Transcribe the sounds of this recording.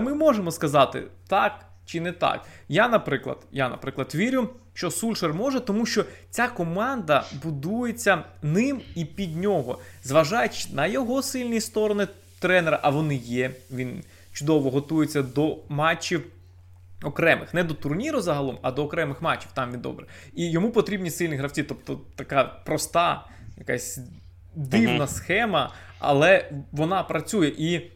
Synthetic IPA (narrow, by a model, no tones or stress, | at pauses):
mɪmɔʒemɔskɐzɑt̪ɪ̰t̪ɑk | t͡ʃɪnɛt̪ɑ̰k | janɐpɾɪklˠɐ̰d̪̥janɐ̰pɾɪklˠɐd̪ʋʲiɾʲʊʃt͡ʃɔsulʲʃermɔʒɛt̪ɔmuʃt͡ʃɔt͡sʲakɔmɑnd̪ɐbʊd̪ujet͡sʲːɐnɪmipʲid̪ʲnʲɔɦɔzʋɐʒɑjt͡ʃnɐjɔɦɔsɪlʲnʲijst̪ɔɾɔnɪ | t̪ɾɛneɾɐʔɐʋɔnɪjɛʋʲin | t͡ʃʊd̪ɔʋɔɦɔt̪ujʊt͡sʲːɐd̪ɔmɑt͡ʃːiw | ɔkɾɛmɪ̰xnɛd̪ɔt̪ʊrnʲiɾʊzɐɦɐlˠɔmɐd̪ɔːkɾɛmɪxmɑt͡ʃːiwt̪ɑmʋʲid̪ɔ̰bɾɪ | ijɔmupɔt̪ɾʲibnʲisɪlʲnʲiɦɾɐwt͡sʲit̪ɔp̚t̪ɔt̪ɐkɑpɾɔst̪ɑ | jɐkɑ̰sʲ | d̪ɪwnɐsxɛmɐ | ɐ̰lˠɛʋɔnɑpɾɐt͡sʲujɛʔi